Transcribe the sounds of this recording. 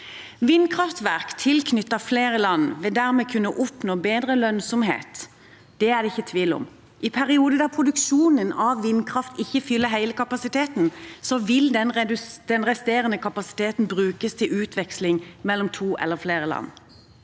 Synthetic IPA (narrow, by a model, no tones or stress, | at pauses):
ʋɪnkʰʁɑft̪ʋæʁkt̪ʰɪlkʰnʏt̪ːəfleːʁəlɑnʋɛd̪æʁmɛkʰʉnːəʔɔpnoːbeːd̪ʁəlœnsɔmhḛːt̪ | d̪̥ɛæʁd̪ɛɪçːət̪ʰʋiːlʊ̰m | ʔɪpʰæʁɪuːd̪əd̪æpʰʁʊd̪ʉkʃuːnənɑʋʋɪnkʰʁɑft̪ɪçːəfʏlːəɦæɪləkʰɑpɑsɪt̪ʰeːt̪n̩sɔʋɪld̪ɛnɛd̪̥ɛnʁɛst̪eːʁənəkʰɑpɑsɪ̥t̪ʰeːt̪n̩bʁʉːkəst̪ʰɪlʉːt̪ʰʋɛkslɪŋmɛlːɔmt̪ʰuːʔɛ̰lːəʁfleːɾəlɑ̰n